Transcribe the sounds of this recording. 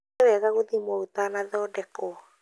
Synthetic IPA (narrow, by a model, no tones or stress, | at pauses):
ewɛɣaɣoðimwɔut̪anaðɔːdɛkɔ